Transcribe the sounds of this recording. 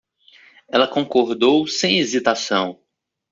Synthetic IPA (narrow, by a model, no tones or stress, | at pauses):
ɛlɐkõkoɾd̪owsẽj̃ezit̪asɐ̃w̃